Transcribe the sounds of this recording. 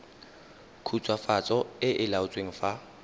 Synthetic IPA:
kʰut͡sʰʼwafat͡sʼɔɪʔɪlaʊt͡sʼweŋ̩fa

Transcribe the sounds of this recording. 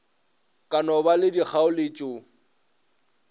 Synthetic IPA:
kʼanɔbalɪdik͡xʰaʊlet͡ʃʼʊ

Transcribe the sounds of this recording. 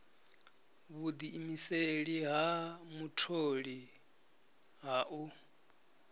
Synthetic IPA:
βud̪iːmiseɺiɦamutʰoɺi | ɦaʔu

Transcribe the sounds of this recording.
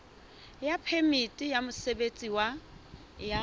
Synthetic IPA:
japʰemitʼijamʊsebet͡sʼiwa | ja

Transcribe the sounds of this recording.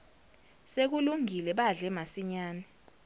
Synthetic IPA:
sek̬uluŋʱilɛɓaɮɛmasiɲaːnɛ

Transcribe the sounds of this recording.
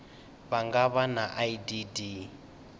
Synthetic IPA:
βaŋɡaβanaʔaididi

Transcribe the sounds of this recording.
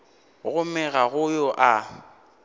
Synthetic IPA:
ɣʊmɛɣaɣʊjɔʔa

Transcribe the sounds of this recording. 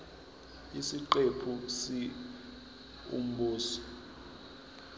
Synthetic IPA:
isiǃepʰusi | ṵm̩buːsɔ̥

